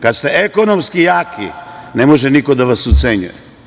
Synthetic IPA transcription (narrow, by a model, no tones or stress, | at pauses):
kad̪st̪eekonomskijaːkʰḭnemo̞ʒɛnikod̪aʋasut̪seɲṵjḛ